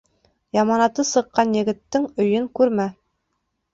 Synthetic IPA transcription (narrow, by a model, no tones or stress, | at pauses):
jɑmɑnɑt̪ɤsɤ̆qːɑnjɘ̆ɡɘ̆t̪ːɘŋɵ̆jɵŋkʉɾmæ